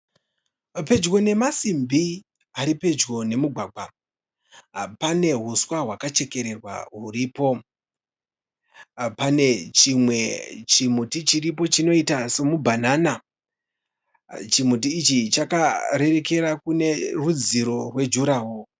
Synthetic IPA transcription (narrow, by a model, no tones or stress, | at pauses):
pe̞d͡ʒɡo̞ne̞masimbʱi | aɾipe̞d͡ʒɡo̞ne̞muɡʱwaːɡʱwa | pane̞ɦuswaɦwakat͡ʃe̞ke̞ɾe̞rwa̰ɦuriːpo̞ | pane̞t͡ʃimwe̞t͡ʃimutit͡ʃiɾipo̞t͡ʃino̞itaso̞mubʱanana | t͡ʃimut̬iːt͡ʃit͡ʃakaɾe̞ɾe̞ke̞ɾakune̞rud͡ziɾo̞rwe̞d͡ʒuɾaːwo